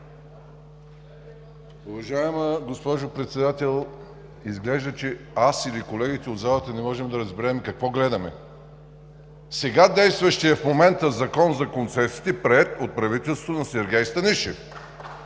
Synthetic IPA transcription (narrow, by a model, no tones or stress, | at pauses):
ʊvɐʒaɛməɡospɔʒʊpɾɛt̪sɛd̪at̪ɛlˠ | izɡlɛʒd̪ət͡ʃɛasilikolɛɡit̪ɛod̪zalˠət̪ɐnɛmɔʒɛmd̪ɐɾɐzbɛɾɛmkɐkvɔɡlɛd̪ɐmɛ | sɛɡad̪ɛjst̪vɐʃt̪iɛfmomɛnt̪əzɐkɔnzɐkont̪sɛsi̥t̪ɛpɾɛɛt̪ot̪̚pɾɐvit̪ɛlˠst̪vʊnɐsɛɾɡʲɛjst̪ɐniʃɛf